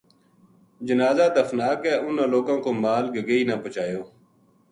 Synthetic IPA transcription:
d͡ʒənaːzaːd̪əfnaːkɛːʔʊnaloːkãːkoːmaːlɡəɡəiːnaːpət͡ʃaːjoː

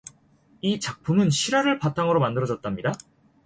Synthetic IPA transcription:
it͡ɕak̚pʰumɯnɕʰiɾaɾɯɭpatʰaŋɯɾomandɯɾʌd͡ʑʌt̚t͈amɲida

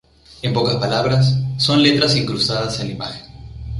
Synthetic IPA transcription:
e̞mpo̞kaspalaβɾasːo̞nle̞t̪ɾasiŋkɾusaðaselimaxen

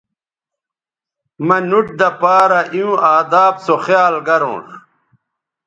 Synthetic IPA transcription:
mɐnuʈ̚d̪ɐpaːɾaʔiũaːd̪aːbsoχjaːlɡɐɾõ̰ːʂ

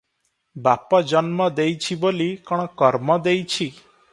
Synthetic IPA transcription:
bapɔd͡ʒɔnmɔd̪ejt͡ʃʰibolikɔɽ̃ɔkɔɾmɔd̪ejt͡ʃʰi

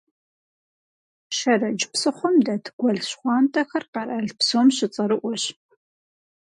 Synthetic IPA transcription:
ʃɐrɐd͡ʒpsɨχʷɔmdɐtʰɡ̥ʷɐɮɕχʷɑːntʰʼɐxɐrqɐrɐɮpsoːmɕɪt͡sʼɐɾɨʔʷɔɕ

